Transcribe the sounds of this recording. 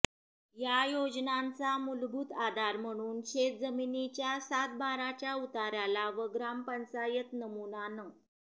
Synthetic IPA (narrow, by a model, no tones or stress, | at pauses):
jajod͡znant͡samulbʱuːt̪ad̪ʱaɾm̤əɽ̃uːnɕet̪̚d͡zəminit͡ɕjasat̪̚baɾat͡ɕjaut̪aɾjalaʋəɡɾampənsajət̪nəmunanə